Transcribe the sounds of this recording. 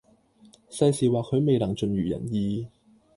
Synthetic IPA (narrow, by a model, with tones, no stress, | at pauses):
sɐ˧jsiː˨˩waː˨˩kʰɵ˨˧ɥme˨jlɐ˨˩ŋt͡ʃɵ˨nɥyː˨˩jɐ̰˨˩njiː˨˧